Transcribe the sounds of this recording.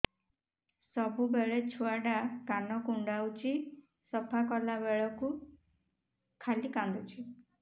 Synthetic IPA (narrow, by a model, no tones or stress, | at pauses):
sɔbubeɭet͡ʃʰuaɖakanɔkuɳɖawt͡ʃʰi | sɔpʰakɔlabeɭɔku | kʰalikãnd̪ut͡ʃʰi